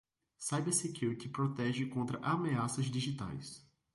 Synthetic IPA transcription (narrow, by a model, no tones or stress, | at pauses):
sajbɛɾsekjuɾit̪ɪpɾot̪ɛʒɪkõnt̪ɾɐʔameasɐzd̪iʒit̪a̰js